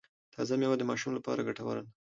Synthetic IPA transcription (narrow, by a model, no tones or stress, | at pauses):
t̪ʰɑzamjwad̪əmɑʃumlapɑ̰ɾaɡaʈawa̰ɾan